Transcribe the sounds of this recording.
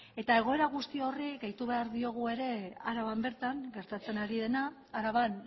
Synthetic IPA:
e̞t̪ae̞ɣ̞o̞e̞ɾaɣ̞ust̪io̞riɡejt̪uβ̞e̞aɾðio̞ɣ̞ue̞ɾe̞aɾaβambe̞ɾt̪aŋɡe̞ɾt̪at͡se̞naɾið̞e̞naː | ɾaβan

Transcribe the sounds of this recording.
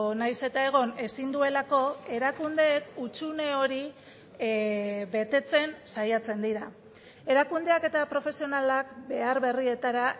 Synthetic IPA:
najse̞t̪ae̞ɣ̞o̞ne̞sind̪ue̞lako̞e̞ɾakund̪e̞ːkut͡ʃune̞o̞ɾi | βe̞t̪e̞t͡se̞nsajat͡se̞nd̪iɾa | e̞ɾakund̪e̞ake̞t̪apɾo̞fe̞sio̞nalakbe̞aɾβe̞rie̞t̪aɾa

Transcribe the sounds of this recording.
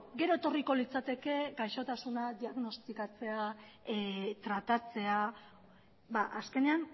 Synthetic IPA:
ɡe̞ɾo̞et̪o̞riko̞lit͡sat̪e̞ke̞ɡajʃo̞t̪asunad̪iaɣno̞st̪ikat͡se̞a | t̪ɾat̪at͡se̞a | baʔaske̞ne̞an

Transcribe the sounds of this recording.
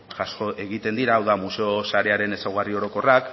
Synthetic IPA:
ʝasko̞e̞ɣ̞it̪e̞nd̪iɾaːwðamuseosaɾe̞aɾe̞ne̞sawɣario̞ɾo̞ko̞rak

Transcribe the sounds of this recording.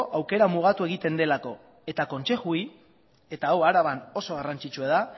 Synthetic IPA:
ʔawke̞ɾamuɣ̞at̪ue̞ɣ̞it̪e̞nd̪e̞lako̞ | e̞t̪ako̞nse̞xui | e̞t̪aawaɾaβano̞so̞ɣ̞arant͡ʃit͡ʃuaða

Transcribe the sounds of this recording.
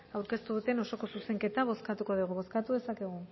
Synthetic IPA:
awɾke̞st̪uðut̪e̞no̞so̞ko̞suse̞ŋke̞t̪aβo̞skat̪uko̞ðuɣuβo̞skat̪uðe̞sake̞ɣ̞u

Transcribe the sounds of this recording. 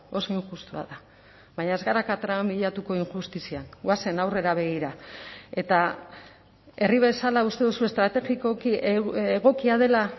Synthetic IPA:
o̞so̞iŋʝust̪ua̰ða | βaɲaezɣaɾakat̪ɾaamiʎat̪uko̞iŋxust̪isianwase̞nawre̞ɾaβe̞ɣ̞iɾae̞t̪a | e̞riβ̞e̞salaust̪e̞ðusue̞st̪ɾat̪eɣikokieɣo̞kiaðe̞la

